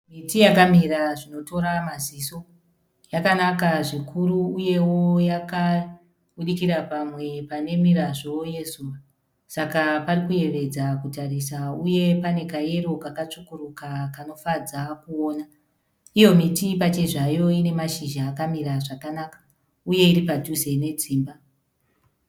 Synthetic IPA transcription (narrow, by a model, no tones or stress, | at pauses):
mitijakamiɾaʐino̞to̞ɾamaziso̞ | jakanakaʐikʰuɾuːje̞wo̞jaka | ɓuɗikiɾapamwe̞pane̞miɾaʐo̞je̞zuːʋa | sakaparikuje̞ʋe̞d͡zakutarisauje̞pane̞kaje̞ɾokakat͡ʂukurukakano̞fad͡zakuoːna | ijo̞mitipat͡ʃe̞ʐajo̞ine̞maʃiʒaːkamiɾaʐakanakḁ | uje̞iɾipaduze̞ne̞d͡ziːmba